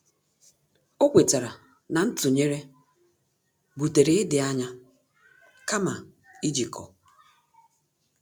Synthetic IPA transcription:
o˦kʷe˨ta˨ɾa˨ | na˨n̩˦tʊ˨ɲe˦ɾe˦ | bu˨te˨ɾe˨ɪ˦dɪ˨a˦ɲa˦ | ka˦ma˨ | i˦d͡ʒi˨kɔ̰˨

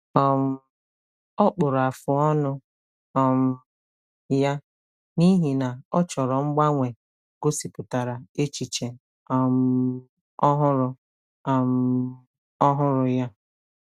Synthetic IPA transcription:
ɔ˨m̩˦ | ɔ˦k͡pʊ˨ɾʊ˨a˨fʊ˨ɔ˦nʊ˦ | ɔ˨m̩˦ | ja˦ | ni˦ɦi˨na˨ɔ˦t͡ʃɔ˨ɾɔ˨ŋ͡m̩˦ɡ͡ba˦ŋʷe˨ | ɡo˦si˨pʊ˨ta˨ɾa˨e˦t͡ʃi˨t͡ʃe˨ | ɔ˨m̩˦ | ɔ˦ɦʊ˦ɾʊ˦˨ | m̩˦˨ | ɔ˦ɦʊ˦ɾʊ˦ja˦

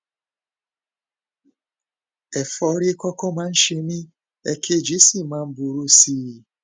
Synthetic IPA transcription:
e˨fɔ˦ɾɪ˦kɔ˦kɔ˦ma˨n̩˦ʃi˨mi˦ | e˦kʰe˦d͡ʒi˦si˨ma˨m̩˦bu˨ɾu˦siː˦˨

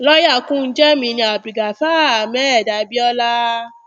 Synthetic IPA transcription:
lɔ˦ja˦˨kũ˦n̩˦d͡ʒɛ˦mĩ˧nĩ˧a˨bɾi˨ɡa˨faː˦˨a˨mɛ̃˦ɛ˦˨da˨˦bi˦ɔ˦la˦

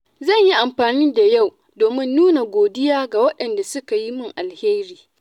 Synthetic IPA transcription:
zɐ˦˨ɲji˦ʔa˨mɸaː˨niː˦da˨ja˦˨w | doː˨mɪ˦nːuː˦na˨ɡʷoː˨dɪ˦jaː˦ɡa˨wɐ˦ɗɐ˨nda˨sʊ˦ka˨ji˦mɪ˦˨ŋʔa˨lheː˦ɾiː˨

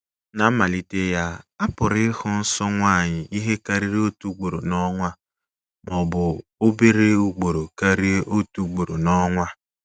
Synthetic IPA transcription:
na˨˦ma˨li˦te˦ja˦a˦pʊ˨ɾɪ˦hʊ˦n̩˦sɔ˦ŋʷa˦˨ɲɪ˨ʔi˦ɦe˦ka˦ɾi˦ɾo˦tu˦ɡ͡bo˨ɾo˨nɔ˦ŋʷa˦ | mɔ˨bʊ˨o˦be˦ɾe˦u˦ɡ͡bo˨ɾo˨ka˦ɾi˦ʔo˦tu˦ɡ͡bo˨ɾo˨nɔ˦ŋʷa˦

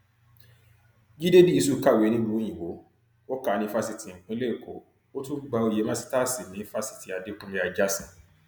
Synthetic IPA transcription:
ɡi˦de˦bi˦i˦˧su˦˨˦ka˦˨we˨˦nĩ˦bũ˦˧o˦j̃ĩ˨wo˨˦ | o˦ka˨˦nĩ˧˦fa˧si˨ti˨ŋ̩˨k͡pũ˧˦le˦i˨ko̰˨˦ | o˦tũ˦ɡ͡ba˧o˧˨je˨˦mã˦si̥˦ta˦˨si˨nĩ˨˦fa˧si̥˨ti˨a˨de˧˦k͡pũ˧˦me˧˦a˧d͡ʒa˦sĩ˨

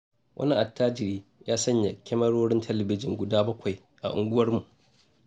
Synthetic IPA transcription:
wʔɐ̰˦ni˦ʔa˨tːaː˦d͡ʒɪ˨ɾiː˦jaː˦sɐ˦ɲja˨kʲɛ˦mɐ˦ɽoː˦ɽɪ˦ntʰɛ˦lɐ˨bɪ˦d͡ʒɪ˨ŋɡʷʊ˨daː˦bɐ˦kʷa˨j | ʔa̰˨ʔʊ̰˨ŋɡʷʊ˦wɐ˦rmu˨ʔ

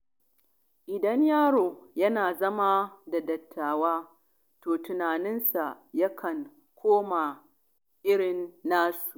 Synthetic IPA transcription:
ʔɪ˨dɐ˦ɲjaː˦ɽoː˨jɐ˦naː˨zɐ˦ma˦da˨dɐ˨tʰːaː˨waː˦ | toː˨tʊ˨naː˨nɪ˦nsa˨ʔ | jɐ˦kʰɐ˨ŋ | kʷʰoː˦ma˨ | ʔɪ˦ɽɪ˨nːaː˦su̥˨ʔ

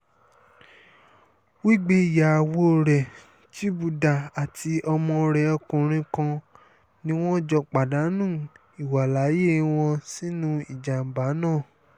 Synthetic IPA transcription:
wi˦ɡ͡be˦i˨ja˨wo˦˨ɾɛ˨ | ti˦bu˨da˨a˨ti˧˦ʔɔ˧mɔ̃˧ɾɛ˧ɔ˧kũ˨ɾ̃ĩ˧kã˧ | nĩ˦w̃ɔ̃˦d͡ʒɔ˧k͡pa˨da˨˦nũ˦˨ | i˨wa˨la˨˦je˦w̃ɔ̃˧si˦nũ˦i˨d͡ʒa˨m̩˨ba˨˦nãː˦˨

